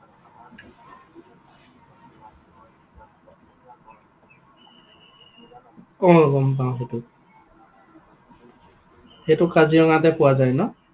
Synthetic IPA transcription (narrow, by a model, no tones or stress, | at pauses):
kɔŋɔɡɔmp̬ãxetʊ | hetʊkaziɔŋat̬ɛpʊwazajnɔ